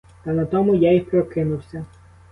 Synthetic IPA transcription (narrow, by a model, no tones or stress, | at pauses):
t̪ɐnɐt̪ɔmʊjajipɾɔkɪnʊwsʲɐ